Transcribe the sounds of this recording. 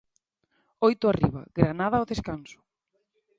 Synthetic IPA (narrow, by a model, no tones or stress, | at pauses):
ojt̪ʊarḭβɐ̰ɣɾanaðɐoðeskansʊ̥